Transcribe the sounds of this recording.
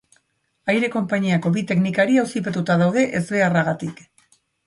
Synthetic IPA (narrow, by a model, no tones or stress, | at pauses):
ajɾe̞ko̞mpaɲiako̞βit̪e̞knikaɾiawsip̬et̪ut̪aðawðe̞ʔezβe̞araɣat̪ik